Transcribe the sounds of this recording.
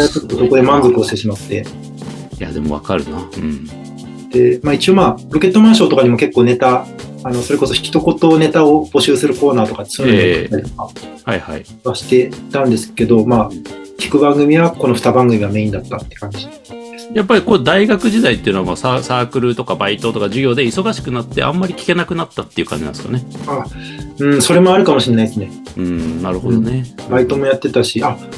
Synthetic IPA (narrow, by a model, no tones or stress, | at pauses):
at͡ɕot̪ːoso̞ko̞d̪emãnzokɯ̟o̞ɕt̪e̞ɕimat̪ːe̞ | ja̰d̪e̞moβa̰kaɾɯ̟naɯ̃ɴ | d̪̥e̞maːit͡ɕio̞maːɾo̞ke̞t̪ːo̞mãːɰ̃ɕo̞ːt̪o̞kaɲ̟imo̞ke̞kːoːne̞t̪aːno̞so̞ɾe̞ko̞so̞çi̥kʲi̥t̪o̞ko̞t̪o̞ːne̞t̪ao̞b̥o̞ɕɨːsɨɾɯ̟ko̞ːnaːt̪o̞kaːe̥sonːaɾʲit̪okahaiha̰i | βaɕi̥t̪e̞it̪ãnd̪e̞sɨ̥ke̞d̪o̞maːkʲi̥kɯ̟bãŋɡɯ̟mʲiβako̞no̞ɸɯ̟̥t̪abãŋɡɯ̟mʲiβame̞ːĩnd̪at̪ːat̪ːe̥kãɲ̟d͡ʑiiad̪esɨ̥japːaɾʲiko̞d̪aiɡakɯ̟ʑid̪ait̪ːe̞iɯ̟no̞amasasaːkɯ̟ɾɯ̟t̪o̞kabait̪o̞t̪o̞kaʑɨɡʲo̞ːd̪e̞iso̞ɡaɕi̥kɯ̟nat̪ːe̞̰ʔã̰mːaɾʲikʲi̥ke̞nakɯ̟nat̪ːat̪ːe̞iɯ̟kã̰ɲd͡ʑinã̰sɨ̥ka̰neaɯ̃ːso̞ɾe̞mo̞aɾɯ̟kamo̞ɕiɾenaiesɨne | ɯ̃naɾɯ̟ho̞d̪o̞ne̞bait̪o̞mo̞jat̪ːe̞t̪aɕiʔa